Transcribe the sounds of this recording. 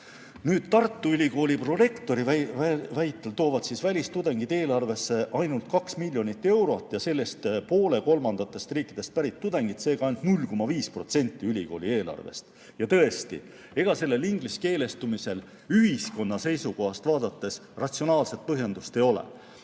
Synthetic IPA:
nyːd̪̥t̪ɑrt̪ˑːuylʲiko̞ːlʲipro̞le̞kt̪o̞ɾiævæjt̪ːˑe̞lt̪o̞ːvɑd̪sisvælʲist̪ud̪e̞ŋɡ̥id̪e̞ːlɑrve̞sːe̞ʔɑjnult̪̚kɑksmilʲjo̞nit̪ːe̞wɾo̞t̪ːˑjɑse̞lːe̞st̪po̞ːle̞ko̞lmɑnd̪̥ɑt̪ːˑe̞st̪riːkːˑid̪̥e̞st̪̚pæɾit̪ːud̪e̞ŋɡ̥it̪se̞ːɡ̥ɑɑnt̪nulʲːkomɑviːspro̞t̪se̞nʲt̪ːˑiylʲiko̞̰ːlʲie̞ːlɑ̰rve̞̰st̪ | jɑt̪ɤe̞st̪ḭ | e̞ɡ̥ɑse̞lːe̞liŋɡ̥liske̞ːle̞st̪umise̞l | yɦisko̞nːɑse̞jsuko̞ɦɑst̪vɑːd̪̥ɑt̪ːe̞srɑt̪sio̞nɑːlse̞t̪̚pɤɦjend̪̥ust̪e̞jo̞lḛ

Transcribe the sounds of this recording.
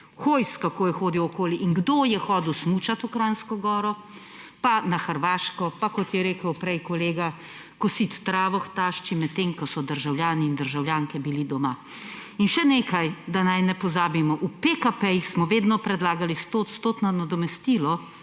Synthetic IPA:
xojskakoːjɛxoːd̪iwɔkoːliʔiŋɡd̪oːjɛxɔːd̪wsmut͡ʃat̪ukɾanskɔɡɔːɾɔ | panaxəɾʋaːʃkɔpakɔt̪jɛɾeːkəwpɾɛjkɔleːɡa | kɔsit̪ːɾaːʋɔxt̪aːʃt͡ʃimɛt̪ːemkɔsɔd̪əɾʒawljaːniːnd̪əɾʒawljaːŋkɛbilid̪ɔma | inʃɛneːkajd̪anajnɛpɔzaːbimɔʔupekapɛjixsmɔʋeːd̪nɔpɾɛd̪laːɡalist̪ot̪st̪oːt̪nɔnad̪ɔmɛst̪iːlɔ

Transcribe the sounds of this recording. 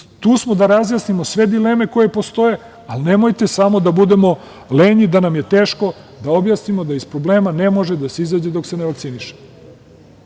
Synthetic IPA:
t̪uːsmo̞d̪aɾazjasnimo̞sʋe̞d̪ile̞ːme̞ko̞je̞po̞st̪o̞je̞ | alne̞mo̞jt̪e̞samo̞d̪abud̪e̞mo̞ | leːɲid̪anamje̞t̪e̞ːʃko̞ | d̪ao̞bjasnimod̪aispɾo̞ble̞ːmane̞mo̞ʒed̪aseizaːd͡ʑe̞d̪o̞kse̞neʋak̚t̪siniʃe̥

